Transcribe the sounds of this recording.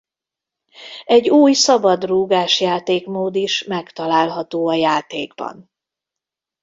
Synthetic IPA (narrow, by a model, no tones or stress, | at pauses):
ɛɟːuːjsɒbɒd̪ruːɡaːʃjaːt̪eːkmoːd̪iʃmɛkt̪ɒlaːlɦɒt̪oːɒjaːt̪eːɡbɒ̰n